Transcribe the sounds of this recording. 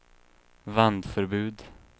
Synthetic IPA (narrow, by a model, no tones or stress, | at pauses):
vand̪fœɾbʉ̟ːd̪